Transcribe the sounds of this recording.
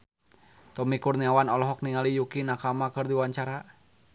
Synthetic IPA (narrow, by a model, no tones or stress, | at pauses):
t̪ɔmikurniawanɔlɔɦɔk̚niŋalijukinakamakɨrdiwaɲt͡ʃaɾa